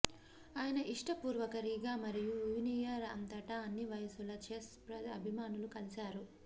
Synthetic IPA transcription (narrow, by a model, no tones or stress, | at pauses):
aːjɐnɐʔiʂʈɐpuːɾʋɐkɐɾiɡaːmɐɾijujuːnijɐɾɐ̰nt̪ɐʈɐɐnːiʋɐjɐsulɐt͡ʃeːspɾɐɐ̰bʱimaːnulukɐlisaːɾu